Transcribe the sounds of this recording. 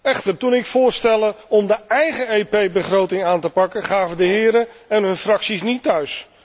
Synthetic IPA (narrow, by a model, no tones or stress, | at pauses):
ɛχtəɹtunɪkfʊːɹstɛlˠəɔmdəɛjχəejpejbəχrowtɪŋaːntəpɑkəχaːvəndəɦɪːɾəɛnɦɵnfrɑksisnitːœɥs